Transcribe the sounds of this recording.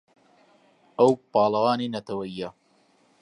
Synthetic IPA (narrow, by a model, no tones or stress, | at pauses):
ʔɐwpɑːlɐwaːninɐt̪ɐwɐijːɐ